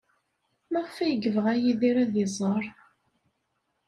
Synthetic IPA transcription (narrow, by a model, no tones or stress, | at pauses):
mæʁfæjəɡəvəʁæjiðiɾæðizˤəɾˤ